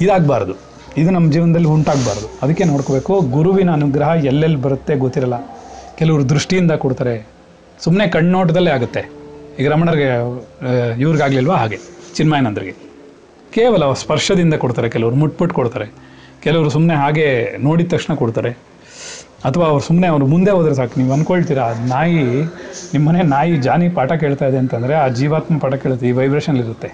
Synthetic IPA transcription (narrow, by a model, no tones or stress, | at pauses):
id̪aːɡbaːɾd̪u | id̪unɐmːɐd͡ʒiːʋɐnɐd̪ɐlːiuɳʈaːɡbaːɾɐd̪uɐd̪ɐkːeno̞ːɽkobe̞ːkuɡuɾuʋinɐːnuɡɾɐɦɐɛlːelːbɐɾut̪ːe̞ɡot̪ːiɾɐlːɐkɛlɐʋɐɾud̪ɾuʂʈijind̪ɐkoɽt̪aːɾe | sumne̞kɐɳnoːʈ̬ɐd̪ɐlːeaːɡut̪ːe̞iɡɾɐmɐɳɐɾɡe | iʋɾiɡaːɡlilʋaːɦaːɡe̞t͡ʃinmaːjnɐnd̪ɐɾiɡe̞ | keːʋɐlɐspɐɾʂɐd̪ind̪ɐkoɽt̪aːɾekɛlɐʋɐɾumuʈ̚puʈːkoɽt̪aːɾe̞ | kɛlɐʋɐɾusumne̞ɦaːɡe̞no̞ːɽit̪ːɐkʂɳɐkoɽt̪aːɾe̞ | ɐt̪ʰɐʋaːɐʋɾusumne̞ɐʋɐɾumund̪e̞ɦoːd̪ɾes̬aːkiniːʋuɐnkoɭt̪iːɾɐnaːjinimːɐnenaːjid͡ʒaːnipaːʈɐke̞ːɭt̪aːjid̪e̞ɐnt̪ɐnd̪ɐɾe̞aːd͡ʒiːʋaːt̪mɐpaːʈɐkeːɭut̪ːeiːʋɐjbɾeːʃɐnɐliɾut̪ːe̞